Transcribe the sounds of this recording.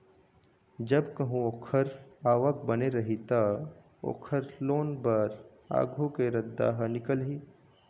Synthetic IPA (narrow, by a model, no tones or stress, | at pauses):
d͡ʒɐbkɐɦũoːkʰəɾaːʋək̚bɐneɾɐɦit̪a | o̰ːkʰəɾloːnbɐɾ | a̰ːɡʱukeɾɐd̪ːa̰ːɦnɪkəlɦiː